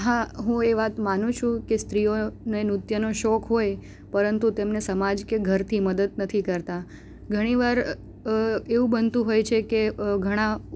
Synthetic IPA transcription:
ɦaɦũeʋat̪manũt͡ʃʰũkest̪ɾijonenut̪jənoʃɔkɦoj | pəɾənt̪ut̪emnesəmad͡ʒkeɡʱəɾt̪ʰiməd̪əd̪nət̪ʰikəɾt̪a | ɡʱəɽ̃iʋaɾ | eũbənt̪ũɦojt͡ʃʰekeɡʱəɽ̃ã

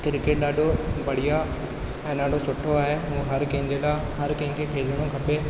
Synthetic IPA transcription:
kɪɾkeːʈ̚ɗaːɖʱobɐɽ̤ɪja | ɛ̃ːnaːɖ̤osʊʈʰːoaːɦeɦũːɦɐɾkɐ̃ɦɪ̃ɲd͡ʑelaː | ɦɐɾkɐɦɪ̃kʰekʰeːləɽ̃okʰɐpe

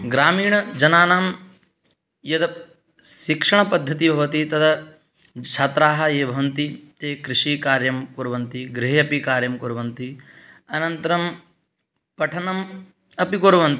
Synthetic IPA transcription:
ɡɾaːmiːɳɐd͡ʒɐnaːnaːm | jɐt̪ɐ | ʃikʂɐɳɐpɐd̪ʱːɐt̪̬ibʱɐʋɐt̪it̪ɐt̪ʰɐ | t͡ʃʰaːt̪ɾaːɦɐ̆eːbʱɐʋɐnt̪it̪eːkɾiʃiːkaːɾjɐmkuɾʋɐnt̪iɡɾeɦjɐpikaːɾjɐmkuɾʋɐnt̪iɐnɐnt̪ɐɾɐm | pɐʈʰɐnɐm | ɐpikoɾʋɐnt̪i

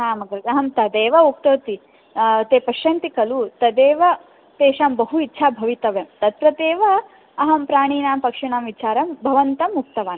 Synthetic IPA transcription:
ɦaːmɐɡɐɾɐɐɦɐmt̪ɐd̪eːʋɐuk̚t̪oːt̪i | t̪eːpɐʃjɐnt̪ikɐlut̪ɐd̪eːʋɐ | t̪eːʃaːmbɐɦuitːʃʰaːbʱɐʋit̪ɐʋemt̪ɐt̪pɾɐt̪eːʋɐ | ɐɦɐmpɾaːɳ̃iːnaːmpɐkʂiɳaːmʋit͡ʃaːɾɐmbʱɐʋɐnt̪ɐmuk̚t̪ɐʋaːn

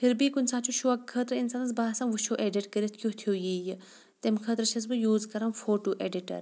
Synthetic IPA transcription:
pʰiɾbiːkunsaːt͡ʃʰuʃuɐkʰːəːt̪ɾɨinsanɐzbaːsɐmʋut͡ʃʰoːʔeːɖiʈkəɾit̪ʰkʲjot̪ʰjoːjiːjɨ | t̪emkʰəːt̪ɾɐt͡ʃʰɐz̬bɨjuːzkɐɾɐmfoːʈoːʔeːɖiʈɐ̰ɾ

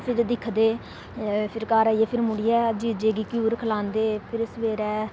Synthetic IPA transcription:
pʰɪɾd̪ɪkʰd̪eː | pʰɪɾkaːɾaːiɛːpʰɪɾmʊɽiɛːd͡ʒiːd͡ʒeːɡiːkjuːɾkʰəlaːnd̪eːpʰɪɾsʋeːɾɛː

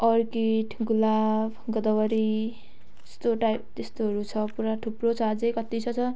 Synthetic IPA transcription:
ʌrkiʈʰɡulabɡʌd̪ʌwʌɾi | est̪oʈajp̚t̪est̪oɦʌɾut͡sʰʌpuɾaʈʰuprot͡sʰʌad͡zʌjkʌt̪it͡sʰʌt͡sʰʌ

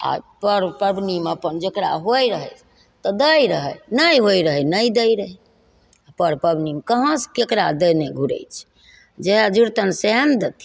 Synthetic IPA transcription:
a̰pəɾpəbnimeəpənd͡ʒekɾa̰ɦojɾəɦə̰t͡ʃʰ | t̪ɔd̪əjɾəɦənəjɦojɾəɦənəjd̪əjɾəɦɛ | apəɾpəbnimekəɦə̃skekɾad̪əjneɡʱuɾə̰jt͡ʃʰ | d͡ʒeɦd͡ʒuɾt̪ənseɦənd̪ət̪ʰi

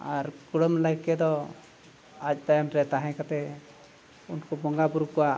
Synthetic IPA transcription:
aɾkuɽɔmlaɡkɛd̪ɔ | at͡ʃ̚d̪ajɔmɾɛt̪aɦɛ̃kat̪ɛ | unkɔbɔŋɡabuɾkɔwa

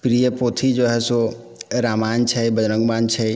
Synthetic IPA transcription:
pɾijəpot̪ʰid͡ʒoɦɛso | ɾaːmant͡ʃʰɛbəd͡ʒɾə̃ŋɡmant͡ʃʰɛ

